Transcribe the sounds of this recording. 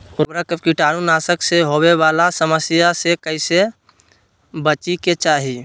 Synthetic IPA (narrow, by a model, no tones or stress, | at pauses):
ʊɾakəkiʈaːɽ̃unaːsəkseɦoweʋaːlasəməsjasekəɪse | bət͡ʃiket͡ʃaːɦi